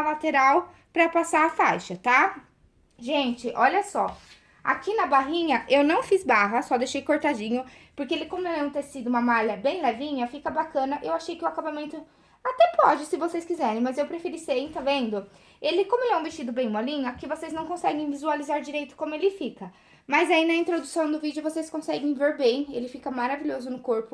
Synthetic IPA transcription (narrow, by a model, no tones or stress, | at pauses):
ɐlat̪eɾaw | pɾɐpasaɾafajʃɐt̪a | ʒẽnt͡ʃɪʔɔʎɐsɔ | a̰kinɐbaɦĩɲɐʔewnɐ̃w̃fizbaɦɐsɔd̪ejʃejkoɾt̪ad͡ʒĩɲʊpoɾkeelɪkõmʊelẽw̃t̪eɾsid̪ʊũmɐmalɐbẽj̃lɛvĩɲɐfikɐbakɐ̃nɐʔewaʃejkɪʊakabamẽnt̪ʊ | at̪ɛpɔd͡ʒɪsɪvoseskizɛɾẽj̃mɐzewpɾefiɾisej̃t̪avẽnd̪ʊ | elɪkõmʊelɪɛũbest͡ʃid̪ʊbẽj̃mɔlĩɲɐkɪvoseznɐ̃w̃kõsɛɡẽj̃vizualizaɾd͡ʒiɾejt̪ʊ̥kõmʊelɪfikɐ | mɐzainɐĩnt̪ɾod̪usɐ̃w̃d̪ʊvid͡ʒɪʊvoseskõsɛɡẽj̃veɾbẽj̃elɪfikɐmaɾaviʎʲozʊnʊkoɾpʊ